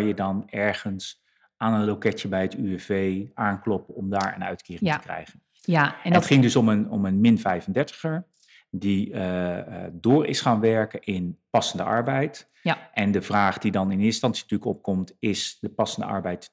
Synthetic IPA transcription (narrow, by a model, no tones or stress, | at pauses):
jədɑnɛɹχəns | aːnənlokɛtjəbɛjətyɛvejʔaːnklɔpəɔmdaːɹə̰nœ̰ɥtkiːɪ̃ŋtəəkrɛ̰jχən | dɔtχɪŋdøsɔmənɔ̰mənmɪnvɛjvəndɛɹtə̥χəɹ | di | dʊːrɪ̰sχaːnʋɛɹkəʔɪnpɑsəndə̰ʔɑ̰ɹbɛjt | ʔɛndəvraːχd̥idɑnɪnɪnstɑnsintyləkɔ̰p̚kɔmtɪsdəpɑsəndə̰ɑ̰ɹbɛjt